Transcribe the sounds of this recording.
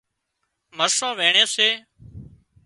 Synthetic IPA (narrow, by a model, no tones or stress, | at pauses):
məɾsãːʋeːɳeːseː